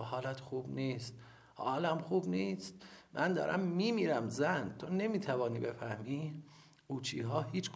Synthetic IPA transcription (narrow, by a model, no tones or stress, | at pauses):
hɒːlæt̪ʰxuːbniːst̪̚ | hɒːlæmxuːbniːst̪̚mʔænd̪ɒ̰ːɾʔæ̰mːiːmiːɾæmzænt̪ʰone̞miːt̪ʰævɒːniːbe̞fæhmiː | uːt͡ʃʰiːɦɒːhiːt͡ʃ